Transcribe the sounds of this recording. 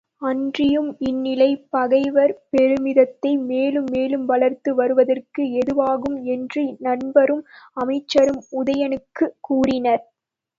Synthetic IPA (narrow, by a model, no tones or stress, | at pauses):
ɐndrɪjɯmɪnːɪlɐɪpɐɣɐɪʋɐɾpɛɾɯmɪðɐt̪ːɐɪmeːlɯmːeːlɯmʋɐlɐɾt̪ɯʋɐɾɯʋɐðɐrkɯɛðɯʋaːɣɯmɛndrinɐnbɐɾɯmɐmɐɪt͡ʃːɐɾɯmʊðɐjɐnɯkːɯkːuːrɪnɐɾ